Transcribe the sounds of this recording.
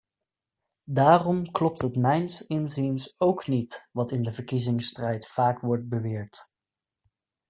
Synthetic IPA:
daːrɔmklɔp̚tɦətmɛjnsɪnzinsowknitʋɑtɪndəvəɹkizɪŋstrɛjtfaːkʋɔɹt̚bəʋɪːɹt

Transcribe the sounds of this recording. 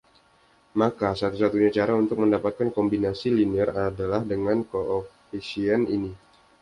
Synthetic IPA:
makasat̪usat̪uɲat͡ʃaɾaunt̪ʊk̚məndapat̪̚kankɔmbinasiliniɛradalahdəŋankoʔofisianini

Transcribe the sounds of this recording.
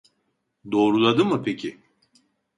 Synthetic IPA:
d̪o̞ːɾulˠad̪ɯmɯpʰecʰi

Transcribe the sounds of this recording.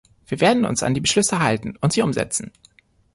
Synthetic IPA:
v̥iːɐveːɐdn̩ʊ̰nsa̰ndiːbəʃlʏsəɦaltn̩ʊntz̥iːʔʊmzɛ̰t͡sn̩

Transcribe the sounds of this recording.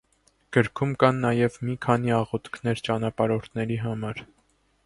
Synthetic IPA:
ɡ̥əɾkʰumkɑnːɑjɛvmikʰɑniɑʁɔt̪kʰnɛɾt͡ʃɑnɑpɑɾɔɾt̪ʰnɛɾiɦɑmɑɾ

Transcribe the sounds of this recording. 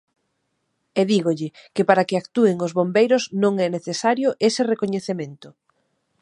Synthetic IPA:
eðiɣoʎɪkɪpaɾakɪakt̪ueŋozβombejɾʊznõŋɛneθesaɾjʊʔesɪrekoɲeθemẽnt̪ʊ

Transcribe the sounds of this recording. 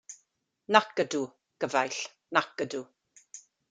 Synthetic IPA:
nakədu | ɡ̥əvajɬ | nak̚ədu

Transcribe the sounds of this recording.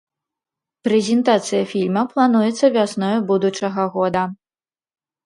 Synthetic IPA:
pɾɛzʲɛnt̪at̪sɨjɐfʲilʲmɐplˠanujɛt̪sːɐvʲasnɔjɐbud̪ut͡ʂɐɣɐɣɔd̪ɐ

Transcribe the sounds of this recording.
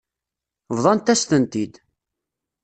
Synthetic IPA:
vðˤɑnt̪æst̪ənt̪id̪

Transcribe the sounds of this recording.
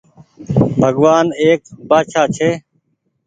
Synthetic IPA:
bʱəɠʋaːneːkbaːʃaːt͡ʃʰeː

